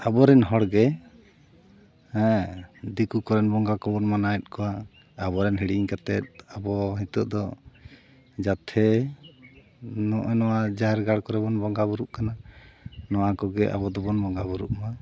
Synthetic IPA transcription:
abɔɾɛnɦɔɽɡɛ | hɛ̃d̪ikukɔɾɛnbɔŋɡakɔbɔnmanaɛt̪̚kɔwa | abɔɾɛnɦiɽiɲkat̪ɛt̪̚abɔɦit̪ɔʔ̚d̪ɔ | d͡ʒat̪ʰɛ | nɔʔɛnɔwad͡ʒaɦɛɾɡaɽkɔɾɛbɔnbɔŋɡabuɾuʔkana | nɔwakɔɡɛʔa̰bɔd̪ɔbɔnbɔŋɡabuɾuʔma

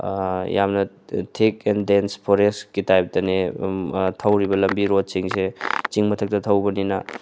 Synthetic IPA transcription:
jamnɐ | tʰekendenspʰɔɾeskitajp̚tɐne | tʰɐwɾibɐlɐmbiɾod̚siŋset͡ʃiŋmɐtʰɐk̚tɐtʰɐwbɐninɐ

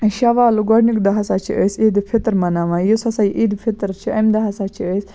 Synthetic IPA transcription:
ʃɐʋaːluɡɐɽnikd̪ɐɦɐsat͡ʃʰḭəsid̪ipʰit̪ɾmɐnaʋãjisɐsajʔid̪pʰit̪ɾt͡ʃʰiɐmd̪ɐɦɐsaːt͡ʃʰiəs

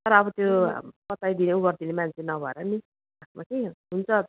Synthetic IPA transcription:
t̪ʌɾʌːbʌt̪jopʌt̪ajd̪ineuɡʌrd̪inemant͡sʰenʌbʱʌeɾʌni | asmakeɦunt͡sʰʌ

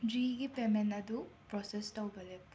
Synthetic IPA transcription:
d͡ʒiɡipemenɐd̪upɾɔsestɐwbɐle

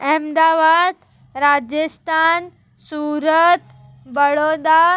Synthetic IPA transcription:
ɛmd̪aʋad̪ | ɾad͡ʑəst̪ʰan | suɾət̪ | bəɭod̪a

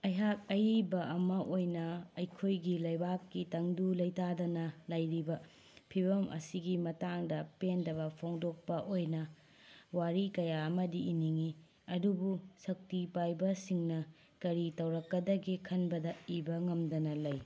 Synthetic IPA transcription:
ɐjɦak̚ɐjibɐɐmɐʔojnɐɐjkʰojɡilɐjbakːitɐŋdulɐjtadɐnɐlajɾibɐ | pʰibɐmʔɐ̰siɡimɐtaŋdɐpendɐβɐpʰawŋdok̚pɐʔojnɐ | waɾikɐjaɐmɐdiːniŋi | ɐdubusɐk̚tipajbɐsiŋnɐ | kɐɾitɐwɾɐkːɐdɐɡikʰɐnbɐdɐibɐŋɐmdɐnɐlɐj

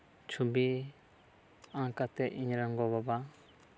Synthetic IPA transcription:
t͡ʃʰubi | ãkat̪ɛʔiɲɾaŋɡɔβaba

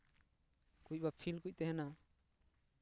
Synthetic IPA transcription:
kuc̚ˀbapʰilkuc̚ˀt̪ɛɦɛna

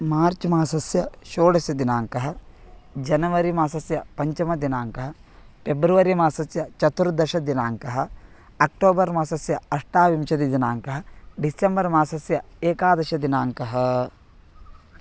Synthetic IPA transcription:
maːɾt͡ʃmaːsɐsjɐʃoːɽɐsjɐd̪inaːŋkɐɦɐ | d͡ʒɐnɐʋɐɾimaːsɐsjɐpɐɲt͡ʃɐmɐd̪inaːŋkɐɦɐpebɾuʋɐɾimaːsɐsjɐt͡ʃɐt̪uɾd̪ɐʃɐd̪inaːŋkɐɦɐ | ɐk̚ʈoːbɐɾmaːsɐsjɐɐʂʈaːʋimʃɐd̪id̪inaːŋkɐɦɐɖisembɐɾmaːsɐsjɐeːkaːd̪ɐʃɐd̪inaːŋkɐɦɐ

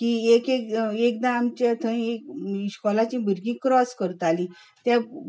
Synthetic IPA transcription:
kiːekekek̚d̪ãamt͡ɕet̪ʰə̃ĩekɕkɔlat͡ɕĩbʱəɾɡĩːkɾɔskəɾt̪alĩ | t̪ja

